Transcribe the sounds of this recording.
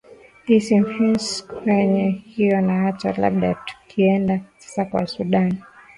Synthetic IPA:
isimfinskwɛɲɛhijɔnaat͡ʃala̰ɓɗatu̥kʰiɛndasḁsakwa̰suɗan

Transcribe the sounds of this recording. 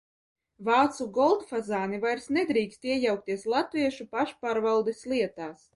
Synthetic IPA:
vɑːt̪suɡɔlˠt̪fazaːnivajɾsnɛd̪ɾiːkst̪iɛjawk̚t̪ʲiɛslˠat̪viɛʃupaʃpaːɾvawˠd̪esliɛt̪aːs

